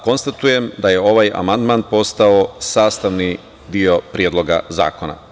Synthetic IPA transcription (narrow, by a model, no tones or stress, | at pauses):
ko̞nst̪at̪uje̞md̪aje̞o̞ʋaja̰mand̪maːnpo̞st̪aosaːst̪aʋni | d̪io̞pɾijed̪lo̞ɡa̰za̰ːko̞na̰